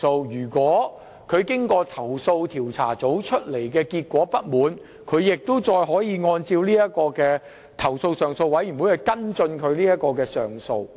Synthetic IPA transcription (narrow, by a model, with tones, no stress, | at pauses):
o˧wjyː˨˩kwɔː˨˥ | kʰɵ˨˧ɥkɪ˥ŋkɔː˧t̪ʰɐ˨˩wso˧wt̪ʰiː˨˩wt͡sʰa̰ː˨˩t͡so˨˥wt͡ʃʰɵ˥t̚le˨˩jkɛː˧kiː˧t̚kʷɔː˨˥pɐ˥t̚muː˨˥n | kʰɵ˨˧ɥjɪ˨k̚t̪o˥wt͡sɔː˧jɦɔː˨˥jiː˧ŋɔː˧nt͡siː˧wliː˥jɐ˥t̚kɔː˧kɛː˧ | t̪ʰɐ˨˩wso˧wsœː˨ŋso˧wɐ˨˥jy˨˩nwu˨˥hɐ˨jkɐ˥nt͡sɵ˧nkʰɵ˨˧ɥliː˥jɐ˥t̚kːɔː˧kɛː˧sœː˨˩ŋso˧w